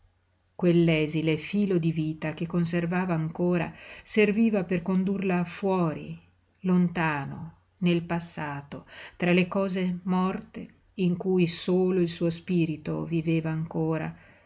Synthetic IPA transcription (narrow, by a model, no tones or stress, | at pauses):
kwelːɛːzilefiːlod̪iviːt̪akekːons̬ervaːvaːŋkoːɾa̰serviːvaperkond̪urlafwɔːɾḭ | lont̪aːno̰ | nelpasːaːt̪ot̪ɾalekɔːzemɔrt̪e | iŋkuːjsoːloilsuːospiːɾit̪o̰viveːvaːŋkoːɾa̰